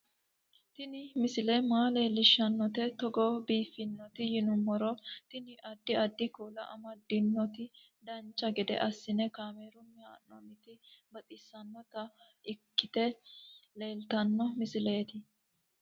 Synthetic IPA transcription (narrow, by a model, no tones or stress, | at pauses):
t̪ɪnɪmɪsɪlɛmaːle̞ːlːɪʃːɐnːɔt̪ɛt̪ɔɡɔːbiːfːɪnːɔt̪ɪjɪnʊmːɔɾɔt̪ɪnɪʔɐd̪ːɪɐd̪ːɪkuːlɐ̰ʔɐ̰mɐd̪ɪnːɔt̪ɪ | d̪ɐnt͡ʃʼːɐɡɛd̪ɛ̰ʔɐsːɪnɛkaːmeːɾʊmɛanːɔnɪt̪ɪbɐt̪ʼɪsːɐnːɔt̪ɐ | ɪkːɪt̪ɛle̞ːlt̪ɐnːɔmɪsɪle̞ːt̪ɪ